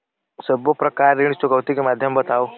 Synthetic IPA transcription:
səbopɾɐkaːɾiɽ̃st̪oɡəwt̪ikemaːd̪ʱjəmbət̪aw

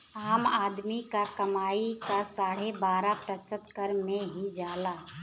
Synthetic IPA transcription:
aːmaːd̪mikakəmaːikasaːɽ̤ebaːɾapɾəsəd̪kəɾmẽɦid͡ʒaːlaː

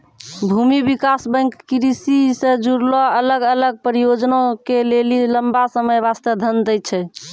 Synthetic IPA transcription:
bʱumibikasbə̃ŋkːiɾisisẽd͡ʒuɾlɔələɡələɡ̚pəɾijod͡ʒnokeleliləmbasəməjβast̪əd̪ʱənd̪əj̚t͡ʃʰɛ

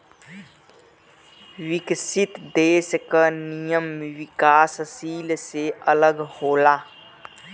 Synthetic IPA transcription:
wɪksɪt̪d̪eːʃkanijəmʋɪkaːssiːlseələɡhoːlaː

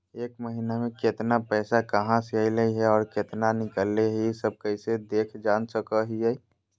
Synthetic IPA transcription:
eːkməɦinamẽket̪napɛːsakəɦãseəjləiɦɛɔːɾket̪nanɪkəlːeɦisəb̚kəɪsed̪eːkʰd͡ʒaːnsəkəɦiɦɛ

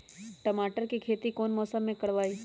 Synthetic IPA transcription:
ʈəmaːʈəɾkikʰeːt̪ikoːnmɔːsəmːẽkɐɽʋaːiː

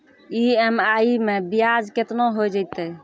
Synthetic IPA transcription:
iemaimebijad͡ʒket̪noɦod͡ʒəjt̪ɛ

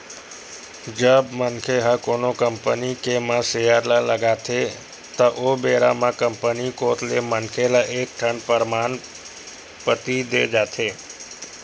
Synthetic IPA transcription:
d͡ʒəbmənkʰeɦakonokəmpənikemãsejaɾlaləɡat̪ʰe | t̪əʔobeɾamãkəmpənikot̪lemənkʰelaʔek̚ʈʰəɳpəɾman | pət̪id̪ed͡ʒat̪ʰe

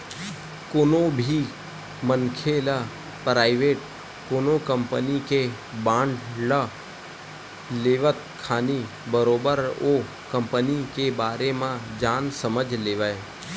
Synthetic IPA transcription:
koːnobʱi | mənkʰelə | pɾaːiʋeːʈ | koːnokəmpənike | bãːɳɖlə | leːʋət̪̚kʰaːni | bəɾoːbəɾoː | kəmpənikebaːɾemãd͡ʒaːnsəməd͡ʒʱleːʋae

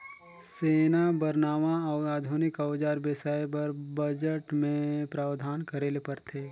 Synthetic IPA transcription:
seːnabɐɾnaːʋaaːd̪ʱunɪkəwd͡ʒaːɾbesaːjbɐɾbəd͡ʒəʈmẽpɾaːwd̪ʱaːnkɐɾeːlepɐɾt̪ʰeː

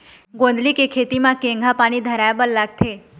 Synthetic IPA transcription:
ɡõn̆d̪likekʰet̪imãkẽŋɡʱãpaɽ̃id̪ʱəɾajbəllaɡ̚t̪ʰe

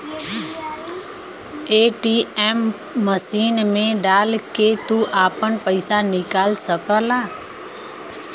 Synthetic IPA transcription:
eːʈiːɛːmː | əsiːnmẽɖaːlket̪uʔaːpənpəɪsanɪkaːlsəkəlaː

